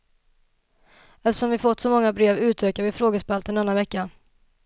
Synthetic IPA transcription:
ɛft̪ə̥ʂɔmvɪfɔt̪ːsɔmɔŋːabɾeːvʉ̟ːt̪ʰøːkavɪfɾoːɡəspɛlt̪ɛnɛnːavɛkːa

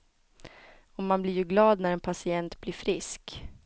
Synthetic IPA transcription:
ɔmmːanblɪɾjɵɡlɑːd̪næɾɛnpʰasɪɛnt̪blɪɾfɾɪsk

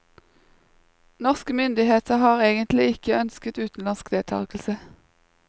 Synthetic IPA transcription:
nɔʁskəmʏnd̪ɪheːt̪ʰəhɑːʁeːɡənt̪lɪɪkəœnskət̪ʉːt̪n̩lɑnskd̪eːt̪ʰɑ̰ːkl̩sə

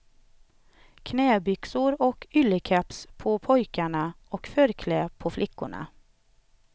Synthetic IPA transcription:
kʰneːbʏksʊɾoːkʏləkʰæpspʰoːpʰɔʏkæɳəʔoːkfœɾkʰleːpʰoːflʔɪkʊ̰ɳə̰

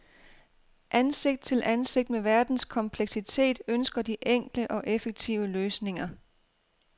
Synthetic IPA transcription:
ʔænse̝ɡ̥d̥̚t͡sʰe̝lʔænse̝ɡ̥̚d̥̚meʋæɐd̥n̩skʰɒ̽mpʰleɡ̥sit͡sʰe̝̰ːd̥ønsɡ̥ɐd̥iʔeŋ̰ɡ̥ləʔɒ̽ʔefəɡ̥̚t͡sʰiʊəløːsne̝ŋɐ

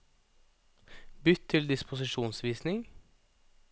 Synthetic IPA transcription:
bʏt̪ʰːɪld̪ɪspʊsɪʃuːnsʋiːsnɪŋ

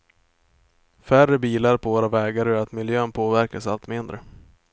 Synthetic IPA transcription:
færəbiːlaɾpʰɔvoːɾavɛːɡaɾœɾat̪mɪljøːnpʰoːvæɾkasalt̪mɪnd̪ɾə

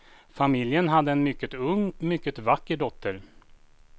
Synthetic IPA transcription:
famɪljənɦad̪ːəɛnmʏkːət̪ɵŋːmʏkːət̪vakːəɖɔt̪ʰːəɾ

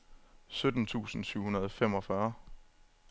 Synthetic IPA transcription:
sød̥n̩t͡sʰṵːsn̩syʊ̰hunɐð̞ˠɒfem̰ɒ̽fɶɐ

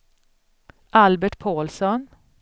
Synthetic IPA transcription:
ʔɑlbæʈpʰoːlsɔn

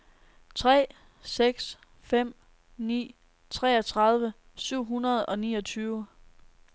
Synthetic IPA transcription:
t͡sʰʁɛ̰ː | seɡ̥s | fem̰ | nḭː | t͡sʰʁɛːɒt͡sʰʁɑ̈ðˠʋə | syʊ̰ɦunɐð̞̩ˠɒ̽niːʌ̽t͡sʰyːʊ

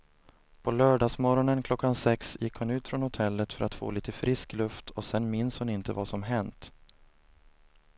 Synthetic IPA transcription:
pʰɔlœːɖɑːsmɔɾɔnənkʰlɔkːansɛksjɪkːhʊnʉ̟ːt̪fɾɔnhʊt̪ʰɛlːət̪fœɾʔat̪fo̰ːliːt̪əfɾʔɪsklɵft̪ʰɔsɛnmɪnshʊnɪnt̪əvasɔmɦɛnt̪

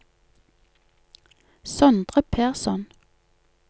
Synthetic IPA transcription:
sœnd̪ʁəpʰæːʁsɔn

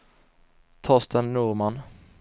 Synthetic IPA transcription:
t̪ʰɔst̪ɛnːuːɾman

